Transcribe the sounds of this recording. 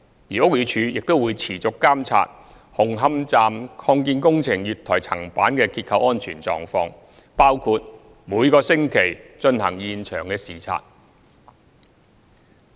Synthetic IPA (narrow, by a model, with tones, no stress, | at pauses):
jiː˨˩ʊ˥k̚jyː˨˧t͡ʃʰyː˨˧jɪ˨k̚t̪o˥wuː˨˧jt͡sʰiː˨˩t͡sʊ˨kːaː˥mt͡sʰa̰ː˧t̚ | hʊ˨˩ŋɦɐ˧˥mt͡saː˧mkʰɔː˧ŋkiː˧nkʊ˥ŋt͡sʰɪ˨˩ŋjyː˨t̪ʰɔː˨˩jt͡sʰɐ˨˩ŋpaː˨˥nkɛː˧kiː˧t̚kʰɐ˨˧wʔɔː˥nt͡ʃʰyː˨˩nt͡sɔ̰ː˨˧ŋfɔː˧ŋ | paː˥wkʰuː˧t̚ | muː˨˧jkɔː˧sɪ˥ŋkʰe˨˩jt͡ʃɵ˧nɦɐ̰˨˩ŋjiː˨nt͡ʃʰœ̰ː˨˩ŋkɛː˧siː˨˩t͡sʰa̰ː˨t̚